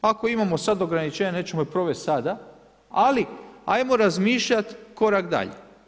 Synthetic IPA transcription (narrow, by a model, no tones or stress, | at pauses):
ako̞imamo̞sad̪o̞ɡɾanit͡ʃeɲane̞ːt͡ɕemopɾo̞ʋest̪sad̪a | alia̰jmo̞ɾazmiːʃʎat̪ko̞ɾakd̪a̰ʎḛ